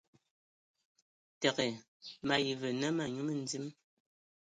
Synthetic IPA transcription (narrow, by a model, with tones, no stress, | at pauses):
tɛ˨ke˨ | ma˨ji˨vɨ˨nə˦ma˨ɲu˦mə˦n̩˦d͡zi˦m